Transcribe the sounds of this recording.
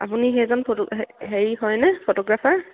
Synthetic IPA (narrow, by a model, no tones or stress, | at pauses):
a̰puniɦɛzɔnpʰoɔɦeɹiɦɔjnɛpʰotɔɡɹapʰaɹ